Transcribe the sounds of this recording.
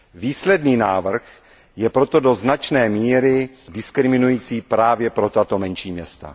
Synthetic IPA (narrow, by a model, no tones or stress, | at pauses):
viːslɛdniːnaːvr̩x | jɛpɾo̞t̪o̞do̞znat͡ʃnɛːmiːɾɪ | dɪskɾɪmɪnujiːt͡siːpɾaːvjɛpɾo̞t̪at̪o̞mɛnʃiːmɲɛst̪a̰